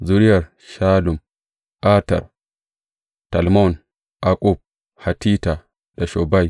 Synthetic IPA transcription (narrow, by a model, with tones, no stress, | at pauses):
zu˨ɾi˦ja˨ɾ | ʃa˦lu˨m | a˦tɐ̰˨ɾ | ta˨lmo˦˨n | a˨kʼu˦b̚ | ha˨ti˦ta˨ | da˨ʃo˨ba˦j